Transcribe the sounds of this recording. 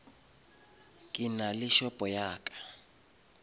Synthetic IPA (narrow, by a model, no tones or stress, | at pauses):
kʼɪnalɪʃɔpʼɔjaːkʼḁ